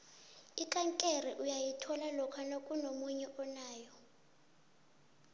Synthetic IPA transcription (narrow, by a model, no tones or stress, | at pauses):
ikʼaŋkʼɛrɛʔujajitʰɔlalɔkʰanokʼunomuɲɛʔɔnaːjɔ